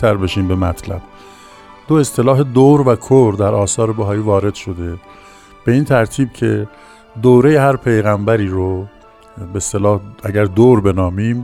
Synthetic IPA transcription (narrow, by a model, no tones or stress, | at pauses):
t̪ʰæɾbe̞ʃiːmbe̞mæt̪ʰlæ̰b̥ | d̪oe̞st̪e̞lɒːɦe̞d̪oɾvækʰoɾd̪æɾʔɒːsɒːɾebæɦɒːjiːvɒːɾe̞d̪̥ʃo̞d̪e̞ | b̥e̞iːnt̪ʰæɾt̪ʰiːb̚cʰe̞ | d̪oːɾejehæɾpʰe̞jɣæmbæɾiːɾo | best̪elɒːhæɟæɾd̪oːɾbe̞nɒːmiːm